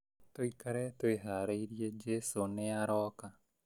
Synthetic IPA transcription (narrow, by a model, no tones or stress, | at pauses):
t̪oikɐɾɛt̪ojɦaɾəjɾijed͡ʒesoneaɾɔːka